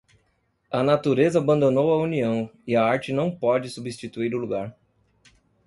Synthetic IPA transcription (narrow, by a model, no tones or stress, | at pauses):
ɐnat̪uɾezɐːbɐ̃nd̪onowɐuniɐ̃w̃iɐaɾt͡ʃɪnɐ̃w̃pɔd͡ʒɪsubist͡ʃit̪uiɾʊluɡaɾ